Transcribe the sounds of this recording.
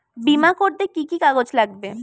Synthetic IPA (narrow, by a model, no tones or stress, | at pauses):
bimakoɾd̪ekikikaɡod͡ʒlaɡ̚be